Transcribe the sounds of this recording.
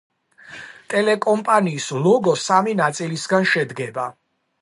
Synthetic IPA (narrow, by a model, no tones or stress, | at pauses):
t̪ʼɛlɛkʼɔmpʼaniːslɔɡɔsaminat̪sʼilisɡanʃɛd̪ɡɛba